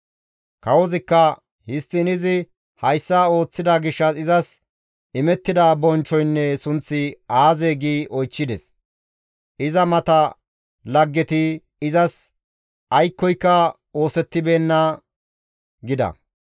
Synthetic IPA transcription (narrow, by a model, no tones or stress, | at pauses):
kɐwɔzɪkːɐ | hɪst̪ːɪnɪzɪ | hɐjsːao̞ːt͡sːɪd̪aɡɪʃːɐsɪzɐs | ɪmɛt̪ːɪd̪aːbɔnt͡ʃːɔjnːɛsʊnt͡sːɪaːzeːɡiːʔɔjt͡ʃːɪd̪ɛs | ʔɪzɐmɐt̪ɐ | lɐɡːɛt̪ɪ | ɪzɐs | ɐjkːɔjkːɐ | o̞ːsɛt̪ːɪbe̞ːnːɐ | ɡɪd̪ɐ̰